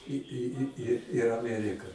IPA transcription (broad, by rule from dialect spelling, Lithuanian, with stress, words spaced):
ɪ ɪ ɪ ɪ ɪr ɐˈmʲæːrʲɪkɐ